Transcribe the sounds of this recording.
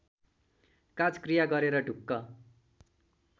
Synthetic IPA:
kad͡zkrijaɡʌɾeɾʌɖʱukːʌ

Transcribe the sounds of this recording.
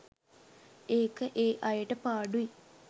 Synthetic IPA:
eːkːɨʔeːʔɐjɐʈɐpaːɖui

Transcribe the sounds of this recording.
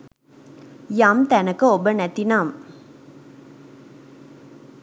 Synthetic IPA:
jaːmt̪ænɐkɨobənæt̪inaːm

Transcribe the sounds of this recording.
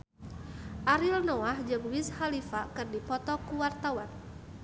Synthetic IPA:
ʔaɾilnɔahd͡ʒəɡwishalifakɨrdipɔt̪ɔkuwart̪awan

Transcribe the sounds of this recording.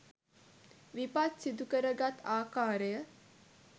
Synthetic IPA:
ʋipat̪sid̪ukəɾəɡat̪aːkaːɾəjə

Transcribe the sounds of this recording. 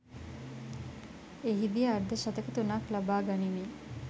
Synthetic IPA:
eɦid̪ijəaɾd̪əʃat̪əkət̪unaklabaːɡanimi

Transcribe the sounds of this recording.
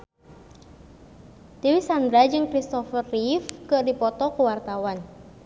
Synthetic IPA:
t̪iwisand̪ɾad͡ʒɨŋkɾist̪ɔfərːifkɨʔdipɔt̪ɔkəwart̪awan

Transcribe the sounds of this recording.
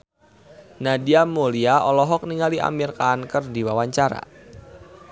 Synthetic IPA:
nadiamoliaɔlɔɦɔk̚niŋaliʔa̰mirkaːnkərdiwawaɲt͡ʃaɾa̰

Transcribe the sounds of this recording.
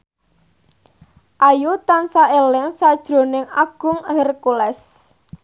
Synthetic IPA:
ʔajut̪ansaelɪŋsad̥ʒ̥ɾo̤nɪŋaɡ̥ʊ̤ŋɦərkulɛs

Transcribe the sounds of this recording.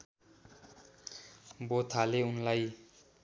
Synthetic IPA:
bot̪ʰaleunlaj

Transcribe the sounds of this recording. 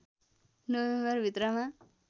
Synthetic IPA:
nəwembʌɾʋit̪ɾamã

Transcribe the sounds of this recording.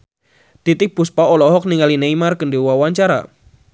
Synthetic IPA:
t̪it̪ɪk̚puspaɔlɔɦɔk̚niŋalineimarkəndewawaɲt͡ʃaɾa̰

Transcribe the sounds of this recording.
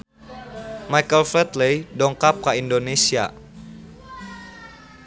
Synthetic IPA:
majkəlflɛt̪lejdɔŋkap̚kaindonesia̰

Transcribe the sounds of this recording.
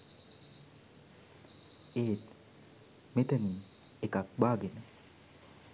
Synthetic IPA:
eːt̪ | met̪ani | ekak̚baɡɪna

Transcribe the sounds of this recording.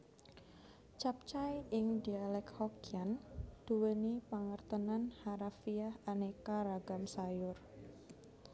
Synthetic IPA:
t͡ʃap̚t͡ʃajɪŋdialɛkhɔkiand̪̥uwənipaŋərt̪ənanhaɾafiahanekaɾaɡamsajʊr

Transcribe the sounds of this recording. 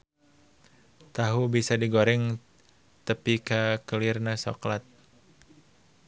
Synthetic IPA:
t̪aɦubisadiɡoɾɛŋ | t̪əpikakəlɪrnaso̰klat̪̚

